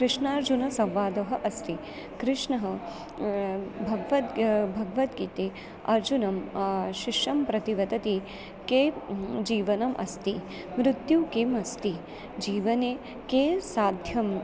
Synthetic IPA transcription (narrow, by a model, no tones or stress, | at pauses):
kɾɪʂɳaːɾd͡ʒunɐsɐ̃mʋaːd̪ɐɦɐʔɐst̪i | kɾɪʂɳɐɦɐ | bʱɐɡʋɐt̪bʱɐɡʋɐt̪̚ɡit̪eː | ɐɾd͡ʒunɐmʃiʂjɐmpɾɐt̪iʋɐd̪ɐt̪i | keːd͡ʒiːʋɐnɐmʔɐ̰st̪i | mɾɪt̪jukemɐst̪i | d͡ʒiːʋɐneː | keːsaːd̪ʱjɐm